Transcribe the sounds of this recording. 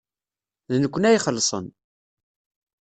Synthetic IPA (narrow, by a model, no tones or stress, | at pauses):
ðnəkʷːnæjχəlːsˤə̰n